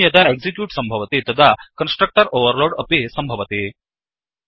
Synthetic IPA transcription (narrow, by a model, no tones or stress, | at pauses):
jɐt̪aeɡzikjuːʈsəmbʱəʋət̪et̪ɐd̪ʱakənsʈɾək̚ʈəɾoʋəɾloɾɽəpesəmbʱəʋət̪e